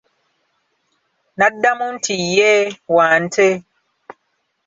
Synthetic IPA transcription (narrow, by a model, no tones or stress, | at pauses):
nadamun̩tʰijɛwaːn̩tʰe